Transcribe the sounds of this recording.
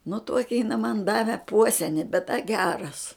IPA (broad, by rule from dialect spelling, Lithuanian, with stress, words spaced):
nʊ ˈtuɔkʲɪ jɪˈnɐ mɐn ˈdɑːʋʲɛ ˈpuɔsʲɛnʲɪ bʲɛt dɐ ˈɡʲæːrɐs